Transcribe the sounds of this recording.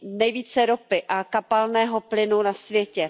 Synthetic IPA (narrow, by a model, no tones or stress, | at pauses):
nɛjviːt͡sɛɾopɪʔakapalnɛːɦoplɪnunasvjɛcɛ